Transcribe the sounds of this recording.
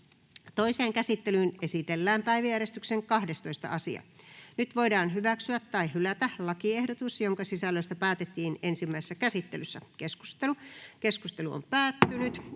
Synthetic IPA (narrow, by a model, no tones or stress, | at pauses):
t̪oiseːŋkæsit̪ːelyːnesit̪elːæːmpæiʋæjæɾest̪ykseŋkɑhdest̪oist̪ɑ̰ʔɑsḭɑ̰nyt̪ʋo̞idɑːnɦyʋæksyæt̪ːɑihylæt̪ælɑkiehdot̪usjoŋkɑsisælːøist̪æpæːt̪et̪ːiːnensimːæisesːækæsit̪ːelysːækesku̥st̪elukeskust̪eluo̰mpæːt̪ːynyt̪